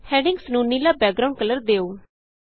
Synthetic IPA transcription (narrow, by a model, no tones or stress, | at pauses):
hɛ̃ːɖɪŋɡsnuːniːlaːbɛːk̚ɡɾaːʊ̃ɳɖ̚kələɾd̪eːoː